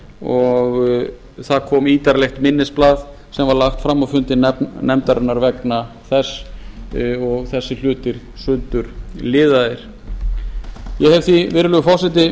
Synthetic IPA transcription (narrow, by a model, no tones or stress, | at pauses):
ɔɣ | θaðkʰɔːmiːt̪aɾlɛxt̪mɪnːɪsplaːð | sɛmvaɾlaxt̪fɾamːafʏnt̪ɪnɛnɛmt̪aɾɛnːaɾvɛkna | θɛs | ɔɣθɛsːɪl̥ʏːt̪ɪɾ̥ | sʏnt̪ʏɾ̥lɪːðaðɪɾ̥ | jɛhɛvθivɪɾɪlʏɣʏfɔwsɛt̪̬ɪ